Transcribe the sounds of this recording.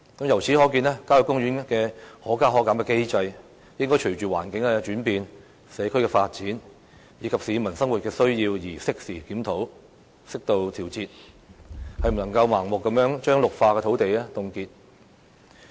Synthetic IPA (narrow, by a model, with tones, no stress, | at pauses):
kɐ˨˥mjɐ˨˩wt͡sʰiː˨˥hɔː˨˥k̬iː˧nɛː˥kaː˥jʊ˨kːʊ˥ŋɥyː˨˥nkɛː˧hɔː˨˥kaː˥ɦɔː˨˥kːaː˨˥mkɛː˧ke˥jt͡sɐ˧j | jɪ˥ŋkɔ˥jt͡ʃʰɵ˨˩t͡ʃyː˨˩wa̰ː˨˩nkɪ˨˥ŋkɛ˧t͡ʃyː˨˥npiː˨n | sɛː˨˧kʰɵ˥ɥkɛː˧faː˧t̚t͡siː˨˥n | jiː˨˧kʰɐ˨p̚siː˨˥mɐ˨˩nsɐ˥ŋwu˨t̚kɛː˧sɵ˥ɥjiː˧wjiː˨˩sɪ˥k̚siː˨˩kiː˨˥mt̪ʰo˨˥w | sɪ˥k̚t̪o˧wt̪ʰiː˨˩wt͡siː˨˧t̚ | hɐ˨jm̩˨˩nɐ˨˩ŋkɐ˧wmaː˨˩ŋmʊ˨kːɐ˨˥mjœː˨˥ŋt͡ʃœː˥ŋlʊ˨k̚faː˧kɛː˧o˨˧˥wt̪e˨jɛː˥t̪ʊ˨ŋkiː˧t̚